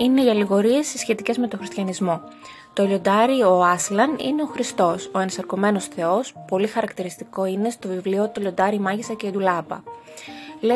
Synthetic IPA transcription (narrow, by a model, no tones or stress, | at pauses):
ine̞iɐliɣo̞ɾie̞sːisçe̞t̪ice̞zme̞t̪oxɾist̪çɐnizmo̞ | t̪oʎo̞nd̪ɐɾio̞ɐslɐnḭne̞o̞xɾist̪o̞so̞ensɐɾko̞me̞no̞sθe̞o̞spo̞lixɐɾɐkt̪iɾist̪iko̞ine̞st̪o̞vivliot̪oʎo̞nd̪ɐɾimɐʝisɐceid̪ulɐpɐ̰ | le